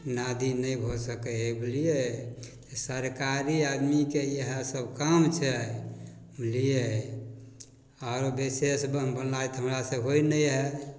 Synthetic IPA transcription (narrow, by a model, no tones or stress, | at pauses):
nad̪inəibʱosəkɛɦɛbilije | səɾkaɾiad̪mikejəɦəsəbkəmt͡ʃʰɛ | mlije | aɾobisesbənbənlajt̪ɦəmɾasə̃ɦoinəjɦɛ